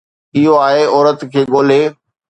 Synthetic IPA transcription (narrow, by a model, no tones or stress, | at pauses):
ɪɦoaːɦeɔːɾət̪kʰeːɠoːl̤eː